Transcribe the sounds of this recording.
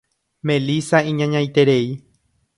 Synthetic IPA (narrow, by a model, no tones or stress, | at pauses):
mẽ̞lisaĩɲãɲãjt̪e̞ɾei